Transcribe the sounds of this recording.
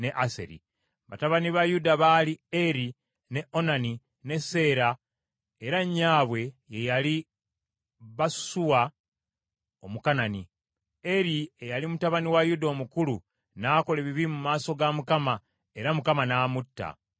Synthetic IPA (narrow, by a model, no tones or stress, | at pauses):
ne̞ʔase̞̰ɾḭ | βa̰taβaniβajudaβalieɾi | ne̞ʔo̞nani | ne̞se̞ːɾa | eɾaɲːaːβwe̞je̞jali | βasu̥suwa | o̞mukanani | e̞ɾiejalimutaβaniwajudoːmukulu | naːko̞le̞βiβiimumaːso̞ɡamukama | e̞ɾamukamanaːmutːa̰